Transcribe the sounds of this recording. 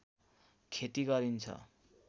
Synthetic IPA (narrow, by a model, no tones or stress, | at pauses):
kʰet̪iɡʌɾint͡sʰʌ̰